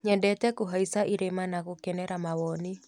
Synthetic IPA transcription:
ɲɛndɛtɛkoɦaisaʔiɾemanaɣokɛnɛɾamawɔni

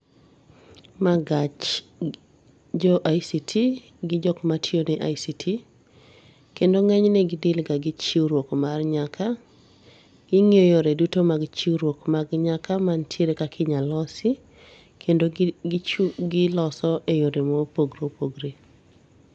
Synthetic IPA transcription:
maɡat͡ʃ | d͡ʒɔʔajsitʰi | ɡɪd͡ʒɔkmatʰjonɛʔajsitʰi | kendoŋɛɲnɛɡɪdɪlɡaɡɪt͡ʃiwɾwokmarɲaka | ɡ̥ɪŋejoɾedutomaɡt͡ʃiwɾwokmaɡɲakamantʰjeɾekakʰɪɲalɔsi | kʰendo | ɡɪlɔsɔʔejoɾemopoɡɾopoɡɾe

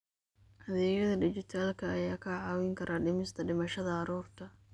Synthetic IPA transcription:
hɐðɛːjɐðɐɖɪt͡ʃɪt̪ʰaːlkʰɐːjaːkʰɐʕɑːwɪŋkʰɐɾʔaːɖɪmɪst̪ʰɐɖɪmɐʃɐðɐɑɾuːrt̪ʰɐ

